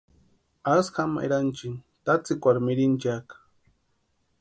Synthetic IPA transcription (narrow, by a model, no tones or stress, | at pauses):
askama̰ʔḛɾant͡ʃint̪at͡sɪkʷaɾmɪɾint͡ʃak